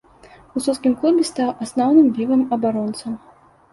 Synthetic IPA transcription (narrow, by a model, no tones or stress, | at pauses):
ususkʲimklˠubʲɪst̪awʔasnɔwnɨmvʲivɐmɐbaɾɔnt̪sɐ